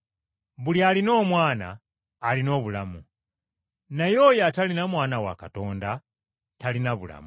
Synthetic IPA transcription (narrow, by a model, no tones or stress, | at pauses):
βulialino̞ːmwaːna̰ː | lino̞ːβulamu | najojatalinamwaːnawa̰kato̞ːnda | talinaβula̰mu